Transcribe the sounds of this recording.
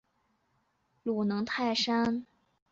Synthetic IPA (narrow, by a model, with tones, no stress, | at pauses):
lu˨˩nɤ˧˥ŋt̪ʰa˥˩ɪʂa˥n